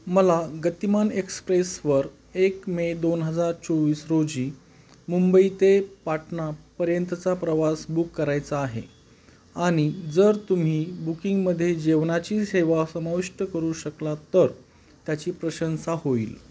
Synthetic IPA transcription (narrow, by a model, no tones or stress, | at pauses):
məlaɡət̪imanekspɾesʋəɾ | ekmed̪onɦəd͡zaɾt͡soʋiːsɾod͡ʑiː | mumbəit̪epaʈɳapəɾjənt̪ət͡sapɾəʋasbukːəɾajt͡saːɦḛ | aɽ̃id͡zəɾt̪um̤iːbukiŋɡməd̪ʱːjed͡ʑeʋnat͡ɕiːseʋasəmaʋiʂʈəkəɾuːɕəklat̪əɾ | t̪jat͡ɕiːpɾəɕənsahoḭːl